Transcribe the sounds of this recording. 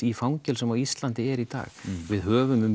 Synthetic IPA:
ifawɲcɛlsɛmawist̪lant̪ɪɛɾit̪a̰ːɣvɪðɦœːvʏmʏm

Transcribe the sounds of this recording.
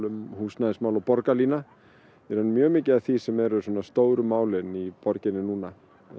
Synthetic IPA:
lʏmhuːsnaðɪsmaːwlawpɔɾkaliːna | ɛɾanmjœːmɪːcɪaθisɛmɛɾʏswɔnːast̪oːwɾʏmaːwlɪnipɔɾcɪnːɪnuːna

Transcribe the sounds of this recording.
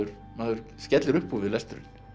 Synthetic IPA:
ʏɾ | maðʏɾ̥scɛt̪lɪɾʏhpːuvɪðlɛst̪ʏɾʏ̰n̥

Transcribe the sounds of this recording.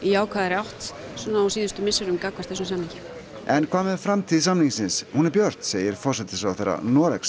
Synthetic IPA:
ijaːwkʰvaðɛɾawht̪sɔnaawsiːðʏst̪ʏmɪsaɾʏmkakvast̪ɛsnsamniɲcɪ | ɛnkʰaːmɛfɾamt̪ʰiðsamniŋsɪnshunɛɾpjœɾt̪n̥seːjɪɾ̥fɔrsɛt̪ɪsawθeɾa̰nɔːɾɛks

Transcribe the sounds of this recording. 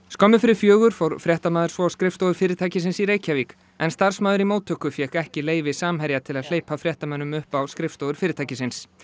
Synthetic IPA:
skɔmɪfɪɾɪɾ̥fjœːɣʏɾ̥fowɾ̥fɾjɛht̪amaːðʏɾ̥svɔskɾɪft̪owðʏɾfɪːɾɪɾt̪ʰaːjcɪsɪnsiɾeːjcaviːk | ɛnst̪aɾ̥smaːðʏɾimoːwt̪ʰːœhkʏfjɛkɛhcɪleːjvɪsaːmɦɛɾjat̪ʰɪlaðl̥eːjpafɾjɛht̪amɛnːʏmʏhpawskɾɪft̪owðʏɾ̥fɪːɾɪt̪ʰajcɪsɪns

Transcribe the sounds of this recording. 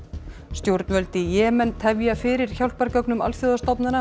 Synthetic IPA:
st̪jowɾt̪nvœlt̪ɪjɛːmɛnt̪hɛvjafɪɾɪɾ̥çawl̥paɾcœknʏma̰lfjoðast̪ɔpnana

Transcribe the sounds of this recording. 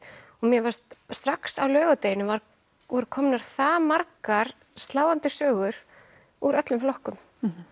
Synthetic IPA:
ɔɣmjɛvḁsst̪ɾaksawlœːɣat̪eːjɪnɪvaɾ | ɔɾkʰɔmnaɾ̥θamaɾkaɾ̥ | st̪laːwant̪ɪsœːɣʏɾ̥ | uɾœt̪lʏmflɔhkʏm

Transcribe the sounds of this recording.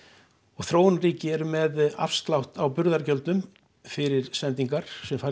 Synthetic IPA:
ɔɣθɾoːwnriːcɪɛɾʏmɛða̰fst̪lawht̪awpʏɾðaɾcœlt̪nʏm | fɪɾɪɾ̥sɛnt̪iŋkaɾ̥sɛmfa

